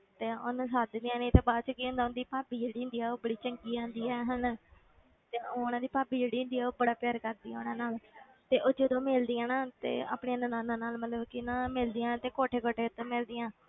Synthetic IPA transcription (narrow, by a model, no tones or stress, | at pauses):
t̪eːo̰nːsaːd͡ʒ̪d̪ijãːnẽːt̪eːbaːdt͡ʃkiʊ̃nd̪aːʊ̃nd̪iːpaːbiːd͡ʒeːɽiːʊ̃nd̪iːɛːoːbəɽiːt͡ʃəŋɡiːãːnd̪iːɛːɦən | t̪eːoːʊnãːd̪iːpaːbiːd͡ʒeːɽiːʊ̃nd̪iːɛːoːbəɽaːpɪjaːɾkəɾd̪iːɛːʊnãːnaːl | t̪eːʔoːd͡ʒəd̪õːmeːld̪ɪjãːnãːt̪ḛːa̰ːpɳeaːnənãːnãːnaːlmət̪ləbkɪnãːmɪld̪ɪjãːt̪eːkoːʈʰeːkoːʈʰeːʊt̪ːõːmɪld̪ɪjãː